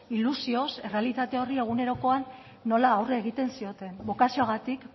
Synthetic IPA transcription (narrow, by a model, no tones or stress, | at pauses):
ilusio̞se̞re̞alit̪at̪e̞o̞rie̞ɣ̞une̞ɾo̞ko̞anː | o̞laːwreːɣ̞it̪e̞nsio̞t̪e̞nbo̞kasioaɣat̪ik